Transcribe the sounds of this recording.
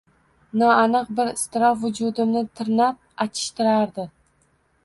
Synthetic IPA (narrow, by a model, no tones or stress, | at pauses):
nɒanɨq̚bɪɾɪst̪ɪɾɒfvʊd͡ʒʊd̪ɪmnɪt̪ʰɪɾnap̚at͡ʃʰɪ̥ʃt̪ɪɾaɾd̪ɪ